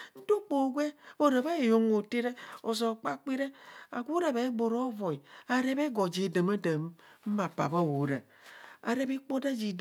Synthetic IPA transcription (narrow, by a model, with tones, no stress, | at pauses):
n̩˦do˦k͡po˨ɡʷe˦bo˦ɾa˨ba˦e˨jo˨ŋo˨te˦ɾe˦o˨zo˨k͡pa˦k͡pi˦ɾe˦a˨ɡʷu˦ɾa˨ba˨e˦ɡ͡bo˨ɾo˦vo˨i˨a˨ɾe˦be˦ɡɔ˨d͡ʒe˨də˨ma˦də˨m̩˦ma˨pa̰˨ba˦˨wo˨˦ɾa˨ | a̰˨ɾe˦be˦k͡po˦da˦d͡ʒi˨d